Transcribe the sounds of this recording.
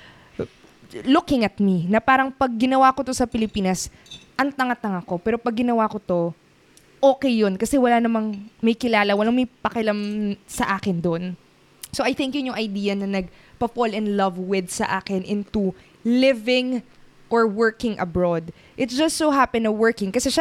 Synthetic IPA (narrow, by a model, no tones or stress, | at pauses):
lʊkɪŋɐt̪̚minɐpaːɾɐŋpɐɡ̚ːɪnɐwakot̪o̞sɐpɪlɪpiːnɐs | ʔɐŋt̪ɐŋat̪ɐŋɐko̞pɛːɾo̞pɐɡ̚ːɪnɐwakot̪o̞ | ʔoːkɛjːonkɐsɛwɐlaːnɐmɐŋmɐjkɪlaːlɐwɐlaŋmɐjpɐkɪlɐmsɐʔaːkɛnd̪on | soʔɐjθɪ̃ŋkjʊnjʊŋɐjd̪iːjɐnɐnɐɡ̚pɐfolɛnd̪lɐvwɪd̪sɐ̰ʔaːkɛnʔɪ̃nt̪u | lɪvɪŋ | ʔoɹwɛɹkɪŋʔɐbɹod̪ | ʔɪt̪sd͡ʒɐst̪soɦapɪ̃nɐwɛɹkɪ̃ŋkɐsɛʃa